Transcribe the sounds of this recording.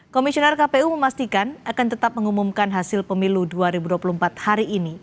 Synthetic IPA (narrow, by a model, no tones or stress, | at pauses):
komisionɛrkapeuməmast̪ikanakant̪ət̪ap̚məŋumumkanɦasɪlpəmiluduaɾibuduapulumpat̪̚haɾiːni